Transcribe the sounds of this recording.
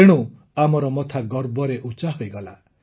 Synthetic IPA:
eɽ̃u | amɔɾɔmɔt̪ʰaɡɔɾbɔɾeʔut͡ʃaɦojɡɔla

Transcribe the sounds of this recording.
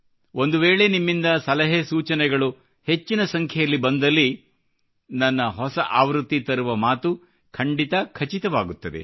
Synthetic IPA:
o̞nd̪uʋeːɭe̞nimːind̪ɐsɐlɐɦesuːt͡ʃɐnɛɡɐɭu | he̞t͡ʃːinɐsɐŋkʰjɛjɐlːibɐnd̪ɐlːi | nɐnːɐɦɔsɐʔaːʋɾut̪ːit̪ɐɾuʋɐmaːt̪u | kʰɐɳɖit̪ɐkʰɐt͡ʃit̪ɐʋaːɡut̪ːɐd̪e̞̰

